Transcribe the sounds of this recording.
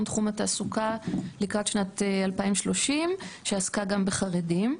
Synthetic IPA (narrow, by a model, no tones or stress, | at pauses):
mt̪χumataːsukalikʁat̪ʃnatealpaimʃlo̞ʃimʃeaskaɡambeχaʁedim